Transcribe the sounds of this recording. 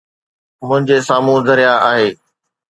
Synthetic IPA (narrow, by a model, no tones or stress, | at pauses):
mʊ̃ɦɪ̃ɲd͡ʑesaːmũzɐɾijaʔaːɦeː